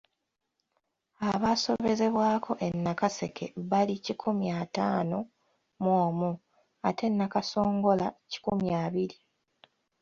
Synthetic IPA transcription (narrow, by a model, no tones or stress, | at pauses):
aβaso̞βe̞ze̞βwaːkʰo̞ʔe̞nːakase̞kʰe̞̰βalicikʰumjaːtaːno̞ | mwoːmu | atʰe̞nːakaso̞ːŋɡo̞laci̥kumjaːβiɾi